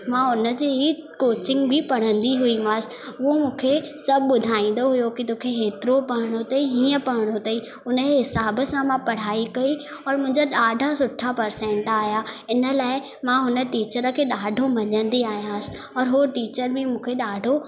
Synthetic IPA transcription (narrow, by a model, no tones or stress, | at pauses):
mãʊnə̆d͡ʑiːɦi | koːt͡ɕɪ̃ŋɡbɪpɐɽ̤ə̃nd̪iɦʊimãːsɪʊɦomũːkʰe | sɐbʱɓʊd̪ʱaːĩːn̆d̪oɦʊjokit̪oːkʰeɦeːt̪ɪɾopɐɦɪɽ̃ot̪ɐiɦiːə̃pɐɽɪɽ̃ot̪ɐi | ʊnəeɦɪsaːbə̆sãmãpɐɽ̤aːikɐi | ɔːɾmʊ̃ɦɪ̃ɲd͡ʑaɗaːɖʱasʊʈʰːapɐɾsɛ̃ːɳʈaːɦjaɪnə̆laːɪ | mãɦʊnə̆ʈiːt͡ɕəɾəkʰeːɗaːɖʱomɐɲə̃nd̪iaːɦijãːsɪ̥̆ | ɔːɾɦoʈiːt͡ɕəɾbʱɪmũːkʰeɗaːɖʱo